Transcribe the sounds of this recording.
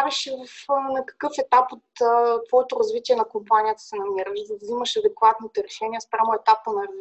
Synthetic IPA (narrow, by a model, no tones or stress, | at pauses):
vɛʃivɐfnɐkɐ̥kɤfɛt̪apot̪t̪vɔɛt̪ʊɾɐzvit̪iɛnɐkompanʲijət̪ə̥sɛnɐmiɾəizvzimɐʃɐd̪ɛkvat̪nit̪ɛɾɛʃɛnijɐspɾʲamoɛt̪apːənɐɾ